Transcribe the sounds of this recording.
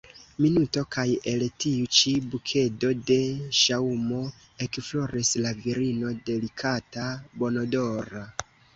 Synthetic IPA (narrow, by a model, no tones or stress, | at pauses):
minuto̞kaje̞ltiut͡ʃibukʰe̞do̞de̞ʃaumo̞ | e̞kfloɾislaviɾino̞de̞likʰatabo̞nodo̞ɾa